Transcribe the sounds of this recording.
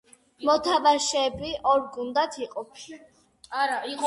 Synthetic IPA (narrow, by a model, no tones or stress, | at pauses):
mɔt̪ʰabaʃɛːbiʔɔɾɡund̪at̪ʰiqʼɔpʰʃi